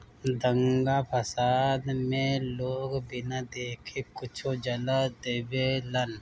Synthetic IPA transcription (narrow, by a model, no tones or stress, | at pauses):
d̪ə̃ŋɡapʰəsaːd̪mẽloːɡbɪnad̪eːkʰekʊt͡ʃʰod͡ʒɐlad̪eːbelɐn